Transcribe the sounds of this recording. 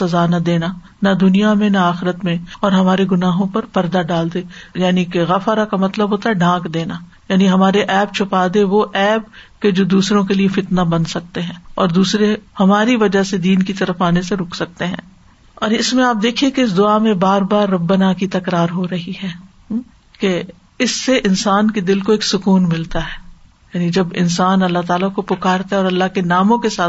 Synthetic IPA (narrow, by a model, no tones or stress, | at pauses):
sɐzaːnɐd̪eːna | nɐd̪ʊnijamẽnaaːxɪɾət̪mẽɔːɾɦɐmaːɾeɡʊnaːɦõpɐɾpɐɾd̪aɖaːld̪eːjaːnikeɣɐfɾakamɐt̪ləbʱɦoːt̪aɦɛɖãːkd̪eːna | jaːniɦɐmaːɾeʔɛːb̚t͡ʃʰʊpaːd̪eʋoʔɛːb̚ked͡ʒoːd̪uːsɾõkeliefɪt̪nabɐnsɐk̚t̪eɦɛ̃ːɔːɾd̪uːsɾehɐmaːɾiʋɐd͡ʒased̪iːnkit̪ɐɾəfaːneseɾʊkʰsɐk̚t̪eɦɛ̰̃ː | ɔːɾɪsmẽaːp̚d̪eːkʰiekeɪs̬d̪ʊamẽbaːɾbaːɾːɐbːənakit̪ɐkɾaːɾɦoɾɐɦiɦɛː | ke | ɪsːeʔɪnsaːnked̪ɪlkoeːksʊkuːnmɪlt̪aɦɛː | jaːnid͡ʒɐbɪ̰nsaːnɐlːaɦt̪aːlakopʊkaːɾt̪aɦɛɔːɾɐlːaɦkenaːmõkesaːt̪